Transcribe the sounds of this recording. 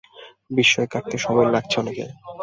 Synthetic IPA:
biʃːɔekaʈ̚t̪eʃɔbojlaɡ̚t͡ɕʰeɔnekḛ

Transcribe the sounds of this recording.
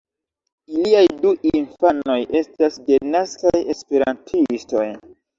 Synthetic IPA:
iliajduʔinfano̞jʔe̞stasdenaskaje̞spe̞ɾa̰ntʰisto̞j

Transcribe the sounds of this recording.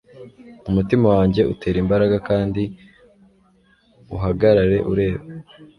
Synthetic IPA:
umutimawaːɲɟe̞ʔutʰe̞ːɾimbaɾaɡakaːndi | uɦaɡaɾaɾe̞̰ʔuɾe̞ːβa

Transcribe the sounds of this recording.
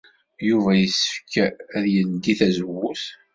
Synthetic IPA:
juvæjəsə̥fkæðjənd̪iθæzəwːuθ

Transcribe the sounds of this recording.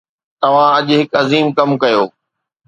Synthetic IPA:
t̪ɐʋ̤ãɐʄɦɪkɐziːmkɐmkɐjoː

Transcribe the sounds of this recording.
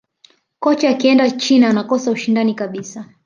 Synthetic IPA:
kɔt͡ʃaakiɛndat͡ʃinaːnakɔsauʃindanikaɓisa

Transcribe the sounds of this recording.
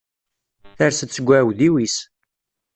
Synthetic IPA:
θæɾsət͡sːəɡʷːæwðiwis

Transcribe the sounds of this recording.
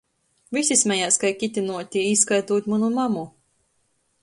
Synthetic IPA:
vʲisʲismʲɛjaːskajkʲit̪ʲinuɔt̪ʲiiskajt̪uɔt̪ʲmanumamu

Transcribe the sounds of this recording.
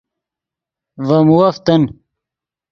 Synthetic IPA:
vɐmuwɐft̪ɐn

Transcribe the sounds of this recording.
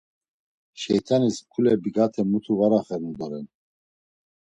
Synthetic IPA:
ʃɛjt̪ʰaniskʰulɛbiɡat̪ʰɛmut̪ʰuvaɾaχɛɾmud̪ɔɾɛn

